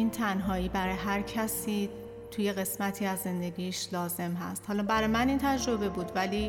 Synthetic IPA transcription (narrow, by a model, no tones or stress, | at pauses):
iːnt̪ʰænɦɒːiːbæɾɒːjeɦæɾcʰæsiː | t̪ʰuːje̞ɣe̞smæt̪ʰiːæzːe̞nd̪e̞ɡiːʃlɒːze̞mɦæ̰st̪hɒːlɒːbæɾɒjmæniːnt̪ʰæd͡ʒɾo̞be̞buːd̪væliː